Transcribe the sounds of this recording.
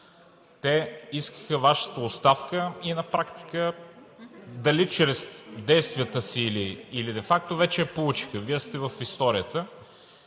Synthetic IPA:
t̪ɛiskə̥xəvaʃə̥t̪əost̪afkəinɐpɾakt̪i̥kə | d̪ɐlit͡ʃɾɛsd̪ɛjst̪vijət̪əsiːliːlid̪ɛfakt̪ovɛt͡ʃɛːpolˠut͡ʃi̥xəviɛst̪ɛvəfist̪ɔɾijət̪ə

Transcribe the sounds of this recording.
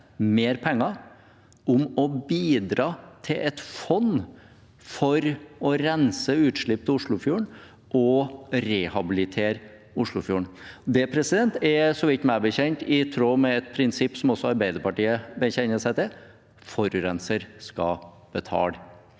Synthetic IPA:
meːɾpʰɛŋːɑ | ʊmɔbiːd̪ɾɑːt̪ʰɪlʔɛt̪fɔnː | fɔɾɔɾɛnsəʉːt̪ʂɭɪp̚ːt̪ʰɪlʊʂɭʊfjuːəɳ | ʔɔɾɛhɑbɪlɪt̪ʰeːɾ | ʊʂɭʊfjuːəɳd̪ɛpʰɾɛsɪd̪ɛnt̪ɛsɔʋɪt̪ːmæbəçɛɲt̪ɪt̪ʰɾoːmɛɛt̪̚pʰɾɪnsɪpːsɔmɔsːɔɑɾbæɪd̪əɾpɑʈiːəbəçɛnːəʂæɪt̪ɛ | fɔɾʉɾɛnsəɾskɑ̰ | b̥ət̪ʰɑ̰ːl

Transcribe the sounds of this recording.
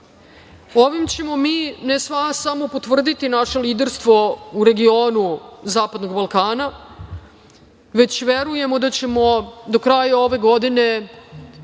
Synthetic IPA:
oʋimt͡ɕe̞mo̞miːnesʋasamo̞pot̪ʋvr̩d̪it̪inaʃe̞liːd̪eɾst̪ʋo̞uɾe̞ɡio̞ːnuzaːpad̪no̞ɡbalˠkaːna | ʋe̞t͡ɕʋe̞ɾuje̞mo̞d̪at͡ɕe̞mo̞d̪okɾaːjao̞ʋe̞ɡo̞d̪ine̞

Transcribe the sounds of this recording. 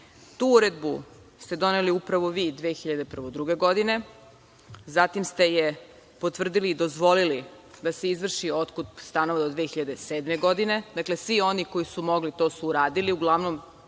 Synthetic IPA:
t̪uuɾe̞d̪bu | st̪e̞d̪o̞neliupɾaʋo̞ʋid̪ʋeːxiʎad̪epr̩ʋod̪ɾuɡe̞ɡo̞d̪ine̞ | zat̪imst̪e̞je | po̞t̪ʋr̩d̪iliːd̪o̞zʋo̞lili | d̪ase̞izʋr̩ʃio̞t̪kut̪st̪anoʋad̪od̪ʋeːxiʎad̪eseːd̪me̞ɡo̞d̪ine̞d̪akle̞sʋio̞niko̞jisumo̞ɡlit̪o̞ːsuːɾaːd̪iliuɡlˠaʋnom

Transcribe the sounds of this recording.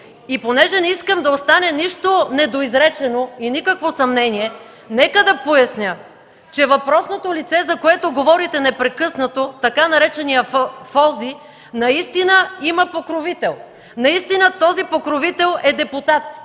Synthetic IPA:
iponɛʒɛnɛiskəmd̪ɐost̪anɛniʃt̪onɛd̪oizɾɛt͡ʃɛnoinikəkvosɐmnɛniɛ | nɛkəd̪ɐpojɐsnʲə | t͡ʃɛvɐpɾɔsnot̪olit̪sɛzɐkoɛt̪oɡovɔɾit̪ɛnɛpɾɛkɤsnɐt̪ot̪ɐkanɐɾɛt͡ʃɛnijəffɔzi | nɐist̪inəiməpokɾovit̪ɛlˠ | nɐist̪inət̪ɔzipokɾovit̪ɛlˠɛd̪ɛput̪at̪̚

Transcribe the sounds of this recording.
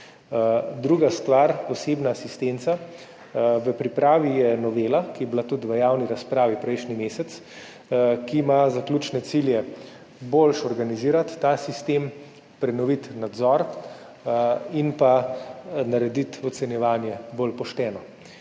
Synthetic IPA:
d̪ɾuːɡast̪ʋaɾɔseːbnaːsist̪ent̪sa | ʋəpɾipɾaːʋijɛnɔʋeːlakijɛblat̪ut̪ʋəjaːwniɾaspɾaːʋipɾɛjʃnimeːsɛt̪s | kiːmazaklʲuːt͡ʃnɛt̪siljɛ | bolʃɔɾɡaniziːɾat̪ːasist̪em | pɾɛnɔʋit̪nad̪zɔɾ | inpa | naɾɛd̪it̪ɔt̪sɛnjɛʋaːnjɛbolpɔʃt̪ɛːnɔ

